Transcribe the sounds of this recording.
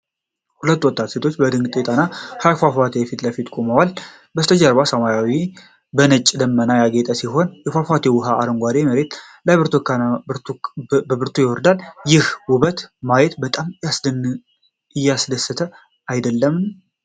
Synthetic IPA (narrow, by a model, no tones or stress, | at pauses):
hulət̪ːwɔt̪ʼːat̪se̞t̪ʰo̞t͡ʃːbəd̪ɨŋɡʼɨt̪ʼet̪ʼanːahajfafat̪ʰejɛfit̪ləfit̪kʼomawal | bəst̪ʰəd͡ʒaɾβasəmajawi | bənət͡ʃʼːd̪əmːənajaɡet̪ʼəsiɦo̞njɛfafat̪ʰewʊɦaaɾəŋɡʷad̪eməɾe̞t̪ | lajbɨɾt̪ʰk | əbɨɾt̪ʰujɪwɔɾd̪aljɪhwuβət̪majɛt̪bət̪ʼamasd̪n | ɪjːasd̪əsːət̪ʰə | ajd̪əlːəmː